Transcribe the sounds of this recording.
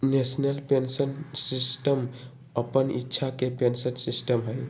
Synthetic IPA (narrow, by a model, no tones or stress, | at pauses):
nesnəlpensənsisʈəm | əpənḭtːʃʰakepensənsisʈəmɦəj